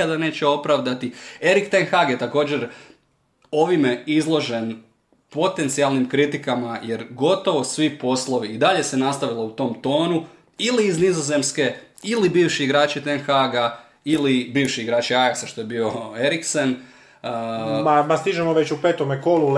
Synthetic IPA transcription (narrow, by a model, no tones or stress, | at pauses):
ad̪ane̞ːt͡ɕeo̞pɾaʋd̪at̪ie̞ɾikt̪enxaɡjet̪ako̞ːd͡ʑe̞ɾ | o̞ʋimeizlˠo̞ʒe̞n | po̞t̪e̞nt̪sialˠnimkɾit̪ikamaje̞ɾɡo̞t̪o̞ʋo̞sʋipo̞slˠo̞ʋiːd̪aʎe̞se̞nast̪aʋilˠout̪o̞ːmt̪o̞ːnu | iliːznizoze̞mske̞ | ilibiːʋʃiːɡɾaːt͡ɕit̪enxaɡa | ilibiːʋʃiiɡɾaːt͡ɕiajaksaʃt̪o̞je̞biːo̞e̞ɾiksen | mamast̪iʒemoʋet͡ɕupeːt̪omekolu